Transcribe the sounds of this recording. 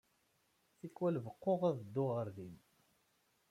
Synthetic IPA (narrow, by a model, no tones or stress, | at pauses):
θikwælvəqːoʁæðəd̪ːʊʁəɾðin